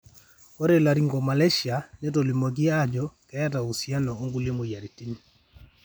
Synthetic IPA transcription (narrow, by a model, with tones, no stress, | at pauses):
ko˦ɾe˨la˨ɾi˦ŋɡɔ˨ma˨lɛ˦ʃja˨nɛ˦t̬ɔ˨li˨mɔ˨ɡ̬i˦a˦d͡ʒɔ˨˦kɛ˦a˦ta˨u˨sja˦nɔː˨˦ŋɡu˦le˦mo˨ja˨ɾi˨ti˦ni˦